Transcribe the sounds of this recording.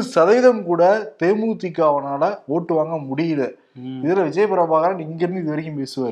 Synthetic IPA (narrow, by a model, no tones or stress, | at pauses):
sɐðɐjðɐmkuːɽɐt̪eːmuɾt̪ːɪkːɯɐʋɐnaːlɐoːʈːɯʋaːŋɡɐmʊɽɪjɐðɐ | ɪðɐlɐʋɪd͡ʒɐjɐpːɐɾɐbaːɣɐɾɐːmɪŋɡɪɾɯnd̪ɯɪðɐɾɯɣimpeːsɯʋaːɾɯ